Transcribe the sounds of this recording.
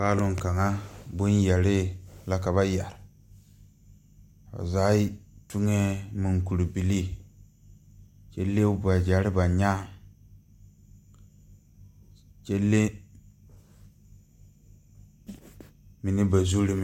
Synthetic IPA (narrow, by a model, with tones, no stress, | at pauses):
a˦lu˦ŋ˨ka˨ŋa˦bu˦nja˨ɾi˦la˨ka˨βa˦ja˨ɾ | a̰˨za˨˦i˦tu˦ŋe˦mi˨ŋku˨ɾbi˨li˦ | t͡ʃe˦lːe˦ba˨d͡ʒa˨ɾi˦ba˨ɲa˦ | t͡ʃe˦lːe˦ | mi˨ni˦ba˨zu˦ɾi˦m˨